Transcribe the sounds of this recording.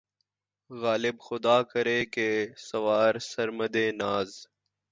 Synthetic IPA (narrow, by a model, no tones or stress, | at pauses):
ɣaːlɪbxʊd̪aːkəɾeːkeːsəʋaːɾsəɾməd̪eːnaːz